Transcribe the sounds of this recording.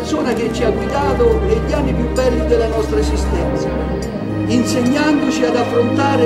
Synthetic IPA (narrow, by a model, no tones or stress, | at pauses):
soːnak̟et͡ʃːiaɡwid̪aːt̪oneʎːanːipjubɛlːid̪elːanɔst̪ɾaezist̪ɛnt̪sa | inseɲːand̪ot͡ʃiad̪afːɾont̪aːɾe